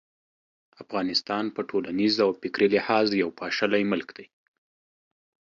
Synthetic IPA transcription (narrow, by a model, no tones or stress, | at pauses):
afɣɑnɪst̪ɑnpəʈʰolanizawpɪkɾilɪhɑzjawpʰɑʃalajmʊlkd̪̥aj